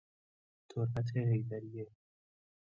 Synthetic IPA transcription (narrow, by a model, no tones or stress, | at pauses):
t̪ʰoɾbæt̪̬ʰeɦejd̪æɾije